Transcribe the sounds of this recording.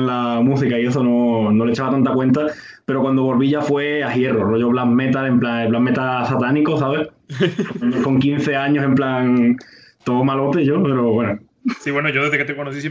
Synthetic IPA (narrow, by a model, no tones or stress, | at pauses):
nlamũsikaie̞s̬ono̞no̞let͡ʃaβat̪ant̪akwe̞nt̪̬a | pe̞ɾokwand̪oβo̞lβiʎafwe̞aɦje̞roroʝoβlammet̪alemplaŋeplamːet̪asat̪anikosaβ̞eh | kko̞ŋkin̟θe̞aɲose̞mplaŋ | t̪oomalo̞t̪eʝo̞pe̞ɾoβwe̞no | siβwenoʝoðeðeket̪ekonos̬is̬